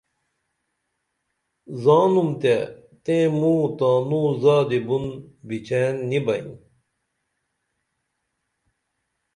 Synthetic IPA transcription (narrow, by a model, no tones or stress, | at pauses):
zaːnumt̪e | t̪ẽmuːt̪ãːnuːzaːd̪ibunbit͡ɕʰeːnːibɐḭn